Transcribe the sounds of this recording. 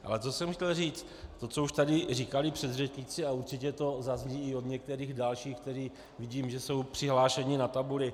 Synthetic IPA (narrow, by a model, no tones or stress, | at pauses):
ʔa̰lɛt̪o̞sɛmxcɛlriːt͡st̪t̪o̞t͡souʃt̪adɪriːkalɪpr̝̥ɛd̪rɛt͡ʃɲɪt͡sɪauɾt͡ʃɪcɛt̪o̞zazɲiːɪo̞d̪ɲɛk̚t̪ɛɾiːɣdalʃiːxk̚t̪ɛɾiː | vɪɟiːmʒɛso̞wpr̝̥ɪɦlaːʃɛɲɪnat̪abulɪ